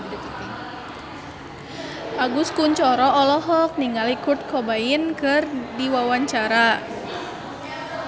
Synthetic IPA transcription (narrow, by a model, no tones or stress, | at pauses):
paɡuskuɲt͡ʃɔɾɔɔlɔɦɔk̚niŋalikʊt̪̚kʰɔbainkɨrdiwawaɲt͡ʃaɾa